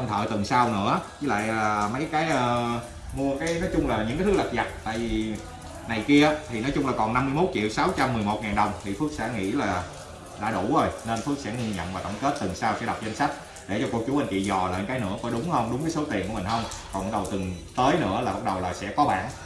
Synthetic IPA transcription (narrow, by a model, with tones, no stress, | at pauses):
ə˧mt̪ʰə̰ː˧˨t̪ɨ˨˩ŋsa˧wnɨ̰˧˥əzɨ˧˨˦la̰ː˧˨jʔəː˨˩mə˨˦jkaː˨˦jʔəː˧ | mu˧əkaː˨˦jnɔ˨˦jt͡ɕʊ˧ŋ͡mlaː˨˩ɲɨ̰˧˥ŋaː˨˦t̪ʰɨ˦˥la˨˩za˨˩t̚t̪a̰ː˧˨jvi˨˩˨ | na˨˩jki˧ət̪ʰi˨˩nɔ˨˦jt͡ɕʊ˧ŋ͡mlaː˨˩kɔ˨˩nːa˧mːɨ˧jmo˦˥t̚t͡ɕḭ˧˨əwsa˨˦wt͡ɕa˧mːɨ˨˩əjmo˨˩t̚ŋaː˨˩nɗə˨˩wŋ͡mt̪ʰi˨˩fɨ˦˥ək̚sɛ̰˧˥ŋḭ˧˥laː˨˩ | ɗa̰ː˧˥ɗu˧˩zo˧˩jne˧nfɨ˦˥ək̚sɛ̰˧˥ŋi˧ɲə̰˧˨nvaː˨˩t̪ə̰˧˩wŋ͡mke˦˥t̚t̪ɨ˨˩ŋsaː˧wsɛ̰˧˥ɗa˨˩wk͡p̚zə˧n̟sa˦˥k̟̚ | ɗe˧˩t͡ɕɔ˧ku˧ək̚t͡ɕu˨˦ʔa˧nkḭ˧˨zɔ˨˩lə̰ː˧˨˦ŋkaː˨˦jnɨ̰˧˥əfɔ˧˩˦ɗʊ˨˦ŋ͡mhə˧wŋ͡mɗʊ˨˦ŋ͡mkaː˨˦so˨˦t̪i˨˩ənku˧˩mï˨˩hə˧wŋ͡mkɔ˨˩nɓa˦˥k̚ɗə˨˩wt̪ɨ˨˩ŋt̪əː˨˦jnɨ̰˧˥əlaː˨˩ɓa˦˥t̚ɗə˨˩wlaː˨˩sɛ̰˧˥kɔ˨˦ɓa̰ː˧˨n